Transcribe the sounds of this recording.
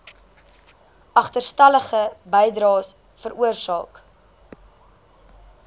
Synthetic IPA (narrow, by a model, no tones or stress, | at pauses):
ʔɐχtərstɐləχəbɛjdɾɑːs | fəɾuərsɑ̰ːk